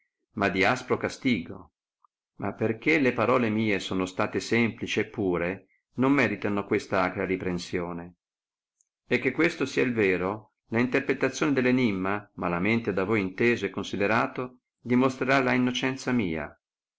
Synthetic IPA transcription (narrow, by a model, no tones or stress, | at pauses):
mad̪ːiaspɾokast̪iːɡo̰ | mʔa̰pːerk̟elepaɾɔːlemiːesoːnost̪aːt̪esɛmplit͡ʃiepːuːɾe | nomːɛːɾit̪anokwest̪aakɾaɾipɾensjoːne | ekːekːwest̪osiailveːɾo | laint̪erpɾet̪ːat̪sːjoːned̪elːenimːamalament̪ed̪avojint̪eːzoɛkːonsid̪eɾaːt̪o | d̪imost̪ɾeɾalainːot͡ʃɛnt̪samiːa̰